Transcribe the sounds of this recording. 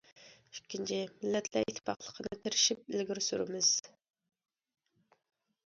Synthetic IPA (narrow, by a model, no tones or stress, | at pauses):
ykʲːint͡ʃʰɪmɪlːɛt̪ʰlæɾit̪ʰːɪ̥pɑqlˠə̥qʰənɨt̪ʰɪɾɪʃip̚ɪlɡʲiɾsyɾɪmɪz̥